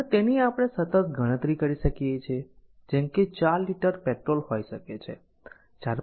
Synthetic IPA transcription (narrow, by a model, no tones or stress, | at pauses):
t̪eniapəɽ̃esət̪ət̪̚ɡʱəɽ̃ə̃t̪ɾikəɾiʃəkijet͡ʃʰe | d͡ʒemket͡ʃaɾliʈəɾpeʈɾolhojʃəket͡ʃʰḛ | d͡ʒaɾ